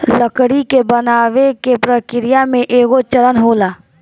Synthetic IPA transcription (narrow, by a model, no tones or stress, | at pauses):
ləkɽikebənaːʋekepɾəkɪɾɪjamẽʔeːɡot͡ʃəɾənɦoːlaː